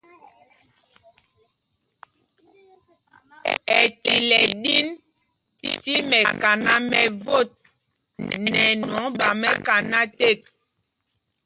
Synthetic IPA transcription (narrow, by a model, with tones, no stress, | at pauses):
ɛ̰˨ti˨lɛ˨ɗi˦n | tḭ˨ti˦mɛ˨ka˨na˦mɛ˨vo˦˨t̚ | nɛ˨nɔ˨˦ɓa˨mɛ˦ka˨na˦te˦˨k̚